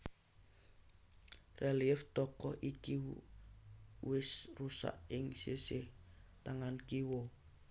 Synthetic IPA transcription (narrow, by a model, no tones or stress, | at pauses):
reliɛft̪okoʔikiṵ | wisrusa̰iŋseset̪aŋankiwo